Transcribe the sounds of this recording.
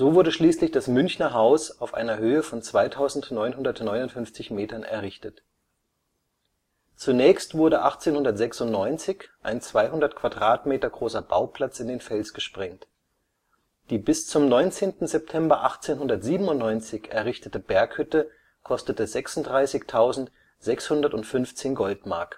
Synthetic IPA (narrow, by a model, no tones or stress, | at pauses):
z̥oːvʊɐdəʃliːslɪçd̥asmʏnçnɐɦaʊsaʊfʔa̰ɪnɐhøːəfɔnt͡sv̥aɪtʰaʊzn̩tnɔʏnhʊndɐtnɔʏnʊntfʏnft͡sɪçmeːtɐnɛ̰ɐʁɪçtət | t͡sunɛːçstv̥ʊɐɾəʔaχt͡seːnhʊndɐtz̥ɛksʊntnɔʏnt͡sɪçʔa̰ɪnt͡sv̥aɪɦʊndɐtkʰv̥adʁaːtmeːtɐɡʁoːsɐb̥a̰ʊpl̥at͡sɪndeːnfɛlsɡ̥əʃpʁ̥ɛŋt | d̥iːbɪst͡sʊmnɔʏnt͡seːntn̩zɛp̚tʰɛmbɐʔaχt͡seːnɦʊndɐtz̥iːbm̩ʊntnɔʏnt͡sɪçɛɐʁɪçtətəbɛɐkhʏtə | kʰɔstətəzɛksʊntd̥ʁaɪsɪçtʰaʊzn̩t | z̥ɛkshʊndɐtʊntfʏnft͡seːnɡɔltma̰ɐk